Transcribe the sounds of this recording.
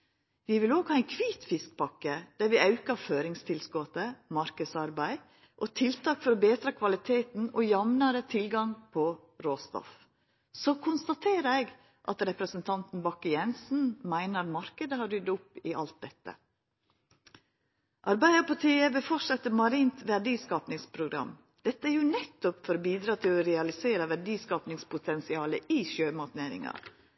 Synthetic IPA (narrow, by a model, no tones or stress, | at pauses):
ʋɪʋɪloːɡhɑːɛnkʰʋiːt̪fɪsk̚pɑkəd̪̥æɾʋɪɑʉkɑføːɾɪŋst̪ʰɪlskoːt̪əmɑɾkəsɑɾbæɪ | ʔot̪ʰɪlt̪ɑːkfɔɾɔbeːt̪ɾɑkʰʋɑlɪt̪ʰeːt̪n̩ojɑmnɑɾət̪ʰɪlɡɑŋpʰɔ | ɾoːst̪ɔ̰f | sɔkʰʊnst̪ɑt̪ʰeːɾæɪɡ | ʔɑ̰t̪ɾɛpɾəsənt̪ʰɑnt̪n̩bɑkːəjɛnsn̩mæɪnəɾt̪mɑɾkəd̪əhɑɾʏd̪ʊpːɪʔɑlt̪̚d̪ɛt̪ːə̰ | ʔɑɾbæɪɑpɑʈiːəʋɪfɔʂɑt̪ːəmɑɾiːnt̪ʋæɖiːskɑːpnɪŋspʰɾʊɡɾɑ̰m | d̪̥ɛt̪ːəæɾjʊnɛt̪ːʊpfɔɾɔbiːd̪ɾɑːt̪ʰɪlɔɾɛɑlɪseːɾəʋæɖiːskɑːpnɪŋspʰʊt̪ʰɛnsɪɑːləʔɪʃøːmɑt̪neːɾɪ̰ŋɑ̰ɾ